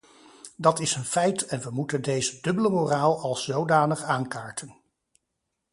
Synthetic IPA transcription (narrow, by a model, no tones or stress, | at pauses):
dɑtɪsənfɛjtɛnʋəmutəndejzədɵbələmoːraːlˠɑlˠszowdaːnəχaːnkaːɹtʰən